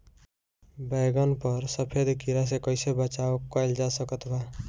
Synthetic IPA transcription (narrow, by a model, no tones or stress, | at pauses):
bajɡʌnpʌɾsʌpʰed̪kiɾas̬ekʌjsebʌt͡ʃaokajld͡ʒasʌkʌt̪ʰba